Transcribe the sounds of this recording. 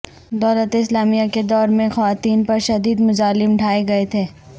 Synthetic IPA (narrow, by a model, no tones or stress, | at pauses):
d̪ɔːlət̪eɪslaːmijaked̪ɔːɾmẽxɐʋaːt̪iːnpɐɾʃɐd̪iːd̪mʊzaːlɪmɖʱaːeɡɐet̪ʰeː